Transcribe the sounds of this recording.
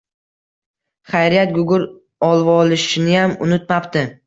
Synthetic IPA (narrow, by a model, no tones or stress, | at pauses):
χajɾijat̪̚ɡʊɡʲʊɾ | ɒlˠvɒlɪʃɪnɪjamʊ̰nɪt̪̚mapt̪ɪ